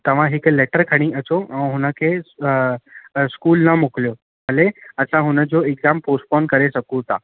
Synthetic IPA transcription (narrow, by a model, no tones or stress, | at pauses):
t̪əʋ̤ãɦikeleʈəɾkʰəɽ̃ĩʔəsoɦunake | skuːlnamukljo | məleəsãɦunad͡zoeɡzamposʈpɔnkəɾesəkũt̪a